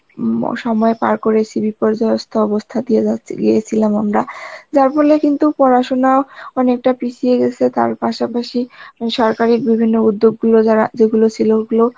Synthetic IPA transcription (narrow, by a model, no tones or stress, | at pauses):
ʃɔmɔepa̰ɾkoɾet͡ɕʰibipɔɾd͡ʑaeost̪ʰaɔbost̪ʰad̪ijeaɡejet͡ɕʰilamamɾad͡ʑaɾfɔlekint̪upɔɾaʃonaoɔnek̚ʈapit͡ɕʰieɡɛt͡ɕʰet̪a̰ɾpaʃapaʃiʃɔɾkaɾik̚bibʱinːoud̪ːoɡːulod͡ʑaad͡ʑeɡulot͡ɕʰiloɡulo